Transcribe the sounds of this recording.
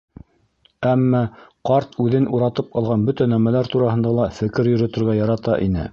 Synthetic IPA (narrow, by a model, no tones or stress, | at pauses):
æmːɑqɑɾt̪ʉðɘnuɾɑt̪ɤp̚qɑlˠʁɑnbɵt̪ænæmælæɾt̪uɾɑhɤ̆nd̪ɑlˠɑfɘ̆kɘɾjɵ̆ɾɤ̆t̪ɤ̆ɾʁɑjɑɾɑt̪ɑʔinɘ̰